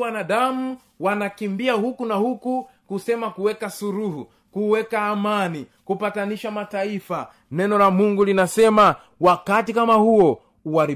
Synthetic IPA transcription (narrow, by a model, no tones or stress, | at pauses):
wanaɗamu | wanakimbiahukunahukukusɛmakuwɛkasuɾuhu | kuwɛkaːmani | kupataniʃamataifa | nɛnɔlamuŋɡulinasɛma | wakatikamahuɔ | uwaɾi